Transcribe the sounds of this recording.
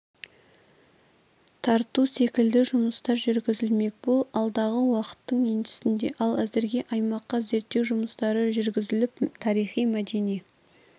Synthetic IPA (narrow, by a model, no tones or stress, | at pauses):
t̪ʰɑɾt̪use̞kʲɪld̪ɪʒʊməst̪ɑɾʒʏɾɡʲɪzɪlme̞k̚ʲbolˠɑlˠd̪ɑʁəwɑqə̥t̪ːəɴe̞nt̪ɪ̥sɪnd̪e̞ʔɑlˠæzɪɾɡʲe̞ʔɑjmɑqːɑze̞ɾt̪ːe̞wʒʊməst̪ɑɾəʒʏɾɡʲɪzɪlɪp̚t̪ʰɑɾijχijmæd̪e̞nij